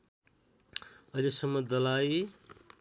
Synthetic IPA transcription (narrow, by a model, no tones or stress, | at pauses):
ʌlesʌmːʌd̪ʌlaj